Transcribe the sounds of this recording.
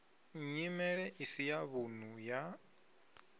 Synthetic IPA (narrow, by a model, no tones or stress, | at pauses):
ɲimɛɺɛʔisijaβun̤uja